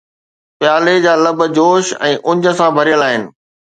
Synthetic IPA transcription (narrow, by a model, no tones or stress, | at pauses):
pjaːled͡ʑaːlɐbʱd͡ʑoːʃɛ̃ːʔʊ̃ɲd͡ʑə̆sãbʱɐɾijəlaːɦɪnɪ̆